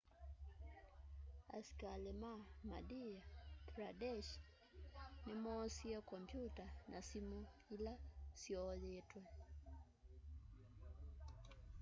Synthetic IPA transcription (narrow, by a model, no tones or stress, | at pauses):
a̰skalemamadijatɾadɛʃ | nɪmɔsiɛkɔmpjutanasimuilasjɔðetwɛ